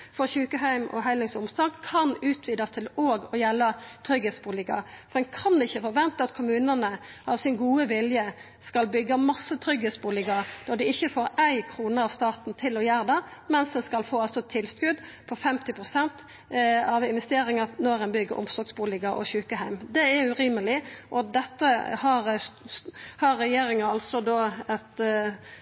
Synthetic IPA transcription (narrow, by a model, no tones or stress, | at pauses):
fɔɾçʉːkəɦæɪmʔɔ̰ɦæɪlɪŋsʊmslɑːɡkʰɑnʉːt̪ʰʋiːd̪ɑt̪ʰɪloːɡɔjɛlːət̪ʰɾʏɡeːt̪sbuːlɪkɑ̰fɔd̪ɛnkʰɑnd̪ɛɪçːəfɔɾʋɛnt̪əɑt̪kʰʊmʉːnənə | ʔɑʋsɪnɡuːəʋɪljə | skɑlbʏɡːɑmɑsːət̪ʰɾʏɡheːt̪sbuːlɪɡɑnɔd̪ɪɪçːəfoːɾæɪkʰʁuːnəɾɑʋst̪ɑːt̪n̩t̪ʰɪlɔjæːɾd̪ɛmɛnsd̪ɛnskɑlfoːɑlsɔt̪ʰɪlskʉd̪pʰɔfɛmt̪ɪpʰɾʊsɛnt̪ | ɑʋɪnʋɛst̪eːɾɪŋɑnɔɾɛnbʏɡːəʔɔ̰msɔɡsbuːlɪɡɑʔɔ̰çʉːkəɦæɪmd̪ɛæɾʉɾiːməlɪʔɔd̪ɛt̪ːəhɑɾ | hɑɾːɛjeːɾɪŋəɑlsɔd̪oːɛt̪